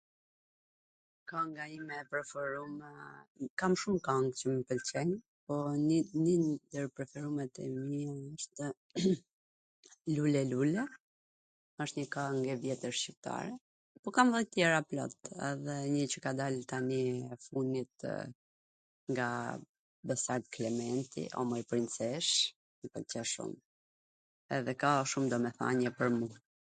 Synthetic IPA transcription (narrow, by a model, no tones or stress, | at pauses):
kaŋɡaimɛpɾɛfɔɾum | kamʃumkaŋɡt͡ʃəməpəlt͡ɕɛɲ | pɔnnind̪əɾpɾɛfɛɾumɛt̪ɛmiəʃt̪ | lulɛlulɛ | əʃt̪ɲəkaŋɡɛvjɛt̪əɾʃt͡ɕip̚t̪a̰ɾɛ | pɔkamðɛt̪jɛɾaplɔ̰t̪ɛ̰ðɛɲət͡ɕəkad̪alt̪aniɛfunit̪̚ | ŋɡa | bəsaɾt̪klɛmɛnt̪ḭʔɔ̰mɛipɾint͡sɛʃ | əpəlcəʃṵm | ɛ̰ðɛkaʃumd̪ɔmɛθa̰ɲɛpəɾmu